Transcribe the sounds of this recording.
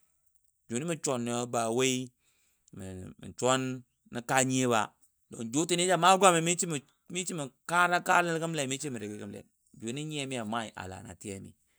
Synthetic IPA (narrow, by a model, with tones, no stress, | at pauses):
d͡ʒo˨ni˦mi˦t͡ʃo˨nː˨o˦ba˨we˦i˦ | mḭ˨mḭ˨t͡ʃo˦n | ni˦ka˦ɲ˦e˦ba̰˨ | do̰˨nd͡ʒo˦ti˦n˦e˦d͡ʒa˦ma˦ɡʷa˦mi˨mi˦i˦m˨ | mi˦t͡ʃi˦mi˨ka˦ɾa˦ka˦lə˦lki˦mle˨mi˦t͡ʃi˦mi˨ɾi˨ɡi˦ki˦mlḛ˨n | d͡ʒo˨ni˦ɲi˦e˦mi˦ja˨ma˦˨i˨ʔa̰˨la̰˨na̰˨ti˦e˦mḭ˨